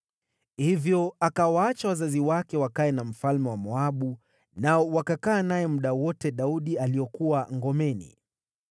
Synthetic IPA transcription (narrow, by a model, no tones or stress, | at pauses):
hivjɔakawaat͡ʃawazaziwakɛwakaɛnam̩falmɛwamɔaɓu | naɔwakakaːnajɛmuɗawɔtɛɗauɗialiɔkuwaŋɡɔmɛnḭ